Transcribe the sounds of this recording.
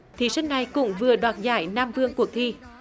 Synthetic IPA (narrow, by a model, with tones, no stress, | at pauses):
t̪ʰi˨˩sə˧nna˨˩jkʊ̰˧˥ŋ͡mvɨ˨˩əɗwaː˨˩t̚za̰ː˧˩jnaː˧mvɨ˧əŋku˨˩ək̚t̪ʰi˧